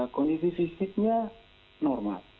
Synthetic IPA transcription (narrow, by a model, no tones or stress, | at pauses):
konisisisit̪̚ɲa | nɔrma̰l